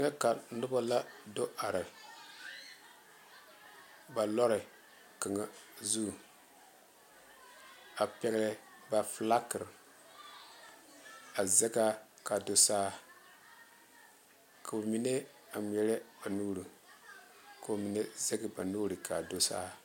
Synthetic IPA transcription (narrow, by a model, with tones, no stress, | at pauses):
ŋa˦ka˨nʊ˦ba˦la˦do˦ʔa˨ɾɪ˨ | ba˨lɔ˦ɾɪ˨ | ka˨ŋa˨zu˦˨ | a˨pɛ˦ɡlɪ˦ | ba˨fla˦kɨ˨ɾ | a˨zɛ˦ɡa˦ka˨do˨saː˦ | kʰa˨bo˨mi˦ne˦ | a˨m˨jɛ˦ɾɛ˦ba˨nuː˦ɾu˨ | ka˨bmi˨ne˦ze˦ɡɪ˨ba˨nuː˦ɾi˨kʰa˨do˦sa̰ː˦